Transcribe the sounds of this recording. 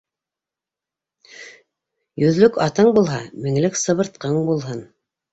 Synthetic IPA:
jɵ̆ðlɵkɑt̪ɤɴbulˠɦɑmɘ̆ŋlɘksɤ̆βɤ̆ɾt̪̚qɤɴbulˠɦɤn

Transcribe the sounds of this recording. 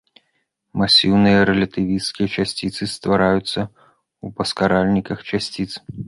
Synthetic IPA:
masʲiwnɨjɐɾɛlʲɐt̪ɨvʲist̪kʲijɐt͡ʃasʲt͡sʲit̪sɨst̪vaɾajut̪sːɐ | upɐskaɾalʲnʲikɐxt͡ʃasʲt͡sʲit̪s

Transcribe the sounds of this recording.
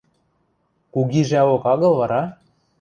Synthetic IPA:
kuɣiʒæokɑɣɤ̆lˠβɑɾɑ

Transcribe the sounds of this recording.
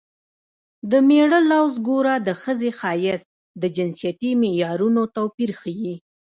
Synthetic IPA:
d̪əmeɽəlawzɡoɾad̪əxəzexɑjɪz | d̪əd͡ʒɪnsijat̪imejɑɾunot̪awpiɾxəji

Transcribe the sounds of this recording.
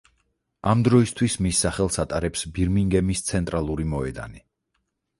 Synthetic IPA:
amd̪ɾɔist̪ʰwismisːaχɛlˠsat̪ʼaɾɛpsbiɾmiŋɡɛmist̪sʰɛnt̪ʼɾalˠuɾimɔɛd̪a̰ni

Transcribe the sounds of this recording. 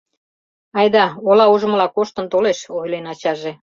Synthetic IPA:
ɑjd̪ɑolɑuʒə̆məlɑkoʃt̪ə̆nt̪oleʃojlenɑt͡ɕɑʒe

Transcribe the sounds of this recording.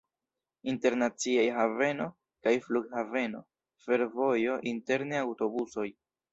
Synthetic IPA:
inte̞ɾnat͡siajɦave̞no̞ | kajfluɡhave̞no̞̰ | fe̞ɾvo̞jo̞ʔinte̞ɾneawto̞buso̞j

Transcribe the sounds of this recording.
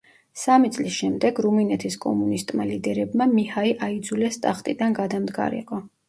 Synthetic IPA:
samit̪sʼlisʃɛmd̪ɛɡɾuminɛt̪ʰiskʼɔ̰munist̪ʼmalid̪ɛɾɛbmamihaiʔaid̪zulɛst̪ʼaχt̪ʼid̪anɡad̪amd̪ɡa̰ɾḭqʼɔ

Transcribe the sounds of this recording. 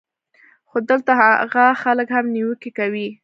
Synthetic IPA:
xod̪əlt̪ahaɣaxaləkhamniwəkikawi

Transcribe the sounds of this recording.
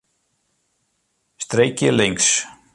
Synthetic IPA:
st̪ɾejcɪlejŋks

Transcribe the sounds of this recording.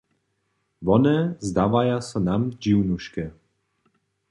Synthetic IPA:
vɔnɛzd̪avajasanamd͡ʒiwnuʃkɛ

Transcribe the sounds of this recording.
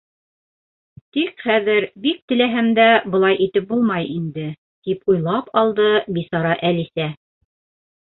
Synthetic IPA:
t̪ikχæðɘɾbik̚t̪ɘ̆læɦæmd̪æbɤ̆lˠɑjʔit̪ɘp̚bulˠmɑjind̪ɘ | t̪ipujlˠɑpɑlˠd̪ɤbisɑɾɑʔælisæ

